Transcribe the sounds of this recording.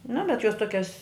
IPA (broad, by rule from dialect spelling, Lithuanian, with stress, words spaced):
nʊ bʲɛt joːs ˈtuɔkʲɛs